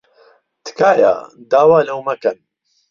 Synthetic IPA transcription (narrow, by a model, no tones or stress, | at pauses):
t̪ʰɨ̥kaːja̰ːd̪aːwaːlɐwmɐkɐn